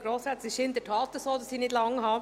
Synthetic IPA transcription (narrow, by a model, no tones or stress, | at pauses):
ɡ̥ɾoːsɾɛt͡sɪʃɪnd̪ətʰɑːt̪əsoːdɑsiːnɪdlɑŋɦɑ